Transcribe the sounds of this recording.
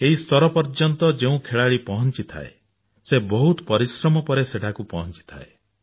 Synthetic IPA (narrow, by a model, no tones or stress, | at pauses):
eɦist̪ɔɾɔpɔɾd͡ʒɔnt̪ɔd͡ʒeũkʰeɭaɭipɔɦɔnt͡ʃit̪ʰa̰ḛ | sebɔɦut̪ɔpɔɾisɾɔmɔpɔɾeseʈʰakupɔɦɔnt͡ʃi̥t̪ʰa̰e